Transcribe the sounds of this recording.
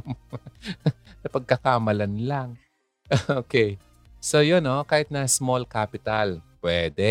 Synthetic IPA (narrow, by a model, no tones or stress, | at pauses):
nɐpɐɡ̚kɐkaːmɐlɐnlaŋ | ʔʔoːkej | so̞jonːokaːhɪt̪̚nɐsmolkaːpɪt̪ɐlpwɛd̪ɛ